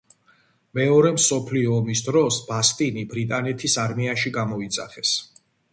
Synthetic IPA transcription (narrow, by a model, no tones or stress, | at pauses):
mɛɔɾɛmsɔpʰliɔːmisd̪ɾɔsbast̪ʼinibɾit̪ʼanɛt̪ʰisaɾmiaʃiɡamɔit̪sʼa̰χɛs